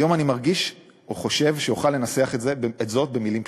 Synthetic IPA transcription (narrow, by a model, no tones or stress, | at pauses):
jo̞manimaʁɡiʃ | oχo̞ʃe̞vʃejuχalːe̞naseaχetzeetzo̞t̚be̞milim